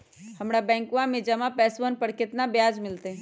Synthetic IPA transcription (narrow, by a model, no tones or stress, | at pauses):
hɐmɽabɛ̃ːŋkãmẽd͡ʒɐmãpɛːsʋənpɐɾkɪt̪nabjaːd͡ʒmɪlt̪e